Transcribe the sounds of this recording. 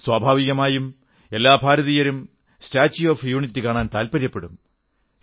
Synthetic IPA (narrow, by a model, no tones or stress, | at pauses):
swaːbʱaːʋiɣɐmaːjum | e̞lːaːbʱaːɾɐðijɐɾum | staːt͡ɕːioːfjuːɳitːɨkaːɳaːnt̪aːlpɐɾjɐpːe̞ɽṵm